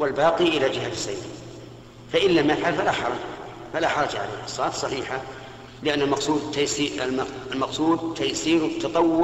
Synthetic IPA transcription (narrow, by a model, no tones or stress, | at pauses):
wɪlbɑːqiʔɪlad͡ʒɪɦat̪sa̰j | faʔɪlːamːafʕalfalaħɑɾˤɑd͡ʒ | falaħɑɾˤɑd͡ʒʕa̰lḛːhʔɑsˤːɑɑːt̪sˤɑħiːħa | lɪʔanːalmɑqsˤuːd̪t̪ːajsiːlmɑqsˤuːd̪̚t̪ʰːajsiːɾwt̪ʰːɑt̪ˤɑwːʊ